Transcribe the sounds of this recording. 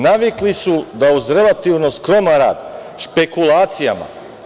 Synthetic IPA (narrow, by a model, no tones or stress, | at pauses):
naʋiklisud̪auzɾe̞lˠat̪iʋno̞skɾo̞maɾa̰ːd̪ | ʃpe̞kulaːt̪sijama̰